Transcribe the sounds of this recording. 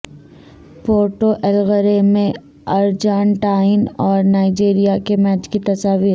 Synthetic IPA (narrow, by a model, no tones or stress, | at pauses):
poːɾʈoʔɛlɣəɾemẽ | ɐɾd͡ʒaːnʈaːɪnɔːɾnaːɪd͡ʒiːɾijakemɛːt͡ʃkit̪ɐsaːʋiːɾ